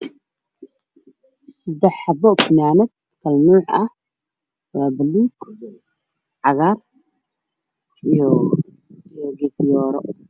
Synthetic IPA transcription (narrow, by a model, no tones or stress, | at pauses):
sɪd̪ɛħɑbɔfnaːnɐd̪̚ | kʰɐlnuːħɐ̰h | waːbɐluːɡ̥ | ʕɑɣaːr | jɔɡɛsjɔːɾɔ